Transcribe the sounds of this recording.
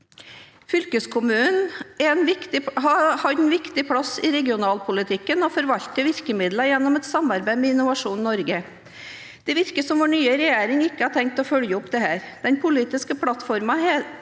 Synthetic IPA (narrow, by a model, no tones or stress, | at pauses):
fʏlkəskʰʊmʉːnɛɛnʋɪkt̪ɪhɑhɑd̪nʋɪkt̪ɪpʰɽɑsɪɾɛɡɪʊnɑːlpʰʊlɪt̪ʰɪkːənɔfɔɾʋɑlt̪əʋɪɾkəmɪd̪ləjɛnːɔmɛt̪sɑmɑɾbæɪmɛɪnʊʋɑʂuːnnɔɾɡə | d̪̥ɛʋɪɾkəsɔmʋɔɳyːəɾɛjeːɾɪŋɪkːəhɑʈ̪ʰɛŋk̚t̪ɔfœljəɔpd̪ɛhæːɾd̪̥ɛnpʰʊliːt̪ɪskəpʰlɑt̪fɔɾmɑɛ